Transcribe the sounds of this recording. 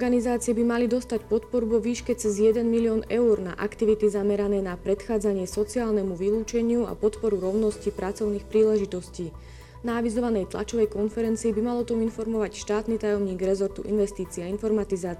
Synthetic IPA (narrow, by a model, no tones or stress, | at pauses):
ɡanizaːt͡siɛbimalid̪ɔst̪acpɔt̪pɔɾuvɔʋiːʃkɛt͡sɛzjɛd̪ɛnmiliɔːnɛuɾna̰ʔakt̪iʋit̪izamɛɾanɛːnapɾɛt̪xaːd͡zaɲɪɛsɔt͡siaːlnɛmuʋiluːt͡ʃɛɲɪua̰pɔt̪pɔɾuɾɔʊnɔscipɾat͡sɔʊnixpɾiːlɛʒit̪ɔsciː | naːʋizɔʋanɛjt̪la̰t͡ʃɔʋɛjkɔnfɛɾɛnt͡siːbimalɔt̪ɔminfɔɾmɔʋacʃt̪aːt̪nit̪ajɔmɲiːɡɾɛzɔɾt̪uʔḭnʋɛst̪iːt͡siainfɔɾmat̪izaːt͡s